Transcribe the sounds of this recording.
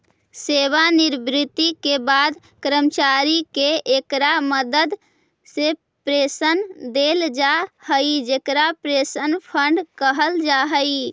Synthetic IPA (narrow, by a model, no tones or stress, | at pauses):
seʋaniɾbɾɪt̪ikebad̪ | kɾəmt͡ʃaɾikeekɾaməd̪əd̪ | se | pɾesənd̪eld͡ʒahəid͡ʒekɾapɾesənpʰəɳɖkəɦəld͡ʒaɦəi